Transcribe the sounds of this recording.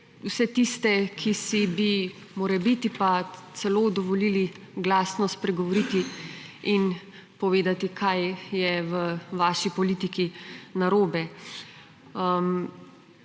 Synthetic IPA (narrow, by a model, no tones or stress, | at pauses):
wsɛt̪ist̪ɛkʰisibi | moːɾɛbit̪ipat̪sɛloːd̪ɔʋɔliːli | ɡlaːsnɔspɾɛɡɔʋɔɾit̪iin | pɔʋeːd̪at̪ikʰajjɛʋəʋaːʃipɔliːt̪ikinaɾoːbɛ | əm